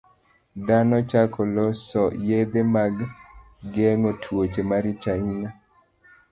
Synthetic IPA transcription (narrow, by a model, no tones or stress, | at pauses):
d̪anɔt͡ʃakʰɔlɔsɔjed̪emaɡ | ɡeŋotʰwot͡ʃemaɾit͡ʃaina